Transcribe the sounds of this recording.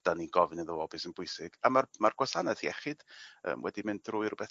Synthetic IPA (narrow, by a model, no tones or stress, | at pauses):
d̥aniɡɔvɨnəðoɔbɨsənbʊɨsɪɡ̥amarmarɡ̥wasanɛθiɛχɨd̥ə̰ːmwɛ̰dimɪndrʊɨrʊbɛθ